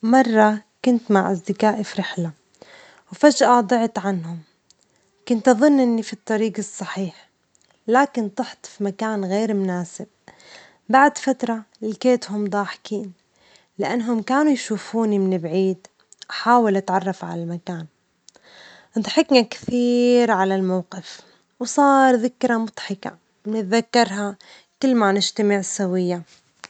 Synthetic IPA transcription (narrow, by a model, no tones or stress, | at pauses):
mɑrˤːɑkʊnt̪maʕʔasd̪ɪkaːʔfɾɪħla | wfaʒʔad̪ˤɨʕt̪ʕanhʊm | kʊnt̪ʔɑðˤʊnːʔɪnːifit̪ˤːɑɾiːɡɨsˤːɑħiːħ | laːkɪnt̪ˤɑħt̪ˤfimakaːnɣeːɾmʊnaːsɪb̚ | baʕd̪fat̪ɾˤɑlɪkeːt̪hʊmd̪ˤɑːħkiːn | lɪʔanːɦʊmkaːnujʃuːfuːnimɪnɪbʕiːd̪ | ʔaħaːwalʔat̪ʕɑrˤːɑfʕa̰lalmakaːn | nt̪ħɪknakθiːɾʕalalmawqɪf | wsˤɑːɾˤðɪkɾˤamʊd̪ˤħɪka̰ | mɪnɪt̪ðakːɑɾˤɦa | kɪlːmanɪʒt̪amɪʕɪsːawɪjːa